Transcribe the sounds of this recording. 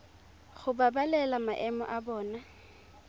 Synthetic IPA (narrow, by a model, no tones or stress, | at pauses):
ɣʊbabalɛlamaʔɛmɔ̰ʔabɔːna